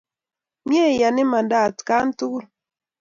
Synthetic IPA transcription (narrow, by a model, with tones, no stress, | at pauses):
mje˦˨ja˨nɪ˦ma˨nda˨tka˦n˦tu˦